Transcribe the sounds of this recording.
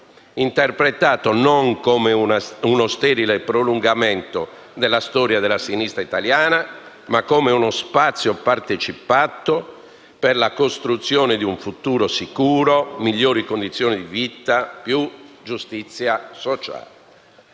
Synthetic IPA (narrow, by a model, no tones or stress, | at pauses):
int̪ɛrpɾet̪aːt̪onoŋkomeunost̪ɛɾilepɾoluŋɡamɛnt̪o | d̪elːast̪ɔːɾjad̪elːasinist̪ɾait̪aljaːna | makːomeunospat̪sːjopart̪et͡ʃipat̪ːo | perlakost̪ɾut̪sːjoːned̪iuɱfut̪uːɾosikuːɾomiʎːoːɾikond̪it̪sːjoːnid̪ivit̪apjud͡ʒust̪it̪sːjasot͡ʃa̰ːle